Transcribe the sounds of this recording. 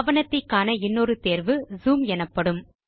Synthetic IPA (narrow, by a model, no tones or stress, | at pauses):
ʋɐnɐt̪ːɐɪkːaːnɐɪnːoːɾɯt̪eːɾʋɯzuːmɛnɐpːɐɽɯm